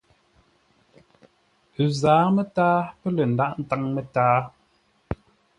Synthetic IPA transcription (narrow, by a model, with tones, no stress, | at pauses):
ə˨zaː˨˦mə˦taː˦pə˦lə˨n̩˨da˦ʔn̩˦ta˦ŋmə˨taː˦